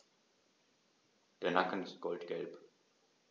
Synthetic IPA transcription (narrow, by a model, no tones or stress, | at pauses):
d̥eːɐnakən̩ɪst̚ɡ̥ɔltɡ̥ɛlp